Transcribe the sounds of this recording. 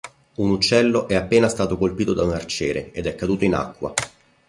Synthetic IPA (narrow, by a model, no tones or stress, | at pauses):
unut͡ʃːɛlːoʔɛapːeːnast̪aːt̪okolpiːt̪od̪aunart͡ʃeːɾḛed̪ɛkːad̪uːt̪oina̰kːwa̰